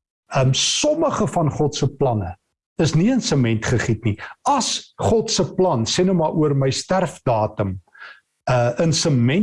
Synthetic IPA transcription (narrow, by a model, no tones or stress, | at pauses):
əmsɔməχəfɐnχɔtsəplɐnə | əsniənsəmɛntχəχitniɐsχɔtsəplɐnsenumɐːʔuərməjstærfdɑːtəm | əənsəmɛn